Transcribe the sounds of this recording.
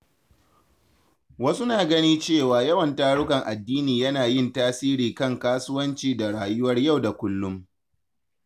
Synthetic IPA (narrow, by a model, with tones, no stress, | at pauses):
wɐ˦su˦naː˨ɡɐ˦niː˦t͡ʃeː˦˨waː˨jɐ˦wɐ˨ntaː˦ɽʊ˦kɐ˨ŋʔa˨dːiː˦niː˨jɐ˦naː˨jɪ˦˨ntaː˦siː˦ɾiː˨kɐ˦˨ŋkaː˦sʊ˦wɐ˦nt͡ʃiː˨da˨ɽaː˨jʊ˦wɐ˦rja˦˨wda˨kʷʊ˦lːʊ˦m